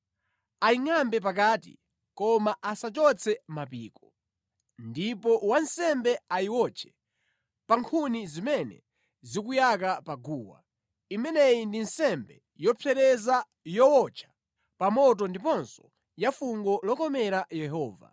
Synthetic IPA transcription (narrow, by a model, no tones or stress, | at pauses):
aiŋambɛp̬ak̬aːtḭ | kɔmaʔasat͡ʃɔt͡sʰɛmapiːkɔ̥ | ndipɔwansɛmbɛaiwɔt͡ʃʰɛ̥ | paŋkʰunizimɛnɛ̰ | zikujak̬apaɡuːwa̰ | imɛnɛjindinsɛmbɛ | jɔpʰɛɾɛza | jɔwɔt͡ʃʰḁ | pamɔt̬ɔndip̬ɔnsɔ̥ | jafuŋɡɔlɔkɔmɛɾajɛɦɔːva̰